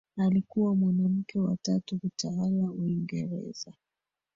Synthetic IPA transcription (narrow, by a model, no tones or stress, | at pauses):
alikuwamwanam̩kɛwatatukutʰawalauiŋɡɛɾɛ̰za